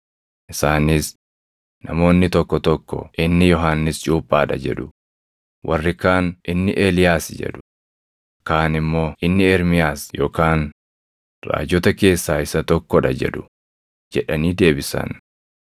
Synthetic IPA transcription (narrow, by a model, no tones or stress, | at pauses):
ʔɪsaːnɪs | nɐmo̞ːnːɪt̪ɔkːɔt̪ɔkːɔ̰ʔɪnːɪjɔɦaːnːɪst͡ʃʼuːpʼːaːᶑɐ̰d͡ʒɛ̰ᶑʊ | wʔɐrːɪkaːnʔɪnːɪʔeːlɪjaːsd͡ʒɛ̰ᶑʊ̥ | kaːnɪmːo̞ːʔɪnːɪɛɾmɪjaːsjo̞̰ːkaːn | ra̰ːd͡ʒɔt̪ɐke̞ːsːaːɪsɐt̪ɔkːɔᶑɐ̰d͡ʒɛ̰ᶑʊ̥ | d͡ʒɛᶑɐniːd̪e̞ːbɪsɐ̰n